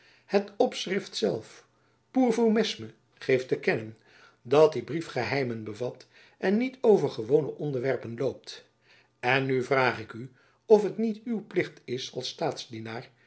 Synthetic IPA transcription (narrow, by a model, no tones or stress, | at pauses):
hətɔpsrɪftsɛlˠf | puːɹvomɪsmə | χejftəkɛnən | dɑt̚dibrifχəɦɛjmənbəvɑt | ʔɛnːitowvəɹχəʋownəʔɔndəɹʋɛɹpənlowp̚t | ɛnːyvraːχɪky | ɔfɦətnitywplɪχtɪsɑlˠstaːtszdinaːɹ